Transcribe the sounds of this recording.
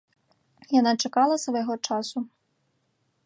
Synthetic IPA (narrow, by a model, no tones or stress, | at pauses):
janat͡ʂakalˠɐsvɐjɣɔt͡ʂasu